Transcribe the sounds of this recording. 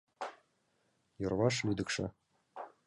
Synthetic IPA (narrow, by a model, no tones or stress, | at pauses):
jɤ̆rβɑʂlʲyd̪ɘ̆kʃɘ̆